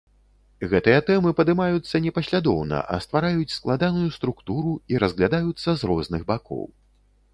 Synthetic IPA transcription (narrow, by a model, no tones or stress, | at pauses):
ɣɛt̪ɨjɐt̪ɛmɨpɐd̪ɨmajut̪sːɐnʲɛpɐsʲlʲad̪ɔwnɐ̰ʔɐ̰st̪vaɾajut͡sʲsklˠad̪anujust̪ɾukt̪uɾuiɾɐzɣlʲad̪ajut̪sːɐzrɔznɨɣbakɔ̰w